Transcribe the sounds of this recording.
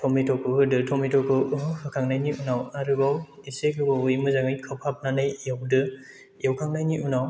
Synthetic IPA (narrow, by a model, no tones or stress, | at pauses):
tʰɔmitʰɔkʰɯɯdɯtʰɔmitʰɔkɯɯhɯkʰaŋnajniʔunawaɾɯbaw | isekɯbaujmɯzaŋɯjkʰɯpʰap̚nanɯjawdɯ | jewkʰaŋnajniʔunaw